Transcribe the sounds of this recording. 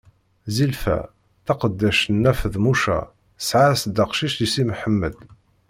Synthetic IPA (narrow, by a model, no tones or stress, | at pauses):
zilfæ̰ | θɑqəd̪ːæʃnːæfəðmuʃæ̰ | sʕasd̪ɑqʃiʃisimħəmːəd̪